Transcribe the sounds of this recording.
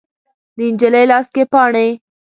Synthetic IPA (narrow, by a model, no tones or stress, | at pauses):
d̪əɪnd͡ʒələjlɑst̪̚kepɑɳe